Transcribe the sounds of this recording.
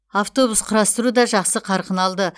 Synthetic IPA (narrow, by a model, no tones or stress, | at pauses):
aft̪o̞busqʰʊɾɑst̪əɾud̪ɑʒɑqsəqʰɑɾqənɑlˠd̪ə